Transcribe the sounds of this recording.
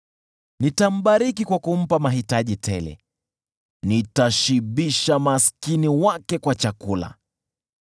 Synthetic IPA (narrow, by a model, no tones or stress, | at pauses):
nitam̩ɓaɾikikwakum̩pamaɦitaʄitʰɛlɛ̰ | nitaʃiɓiʃamaskiniwakɛkwat͡ʃakula̰